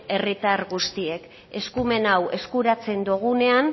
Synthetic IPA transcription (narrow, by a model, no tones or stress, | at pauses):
e̞rit̪aɾɣust̪ie̞k | e̞skume̞nawe̞skuɾat͡se̞nd̪oɣ̞une̞an